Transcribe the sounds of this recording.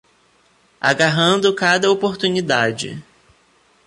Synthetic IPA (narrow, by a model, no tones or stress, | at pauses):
a̰ɡaɦɐ̃nd̪ʊkad̪ɐopoɾt̪unid̪ad͡ʒɪ̰